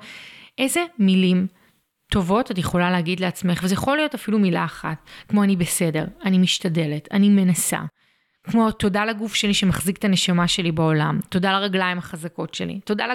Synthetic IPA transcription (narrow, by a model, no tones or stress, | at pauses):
ʔe̞ze̞milim | to̞vo̞tatjeχo̞laleaɡidleat͡sme̞χvezejaχo̞lijo̞tafilumilaːχa̰tkmo̞anibe̞se̞de̞ʁanimiʃtade̞le̞tanime̞nasa̰ | kmo̞to̞dalaɡufʃe̞liʃe̞maχzik̚tane̞ʃamaʃe̞libao̞la̰mto̞dalaʁaɡlaimaχazako̞tʃe̞̰lḭto̞dal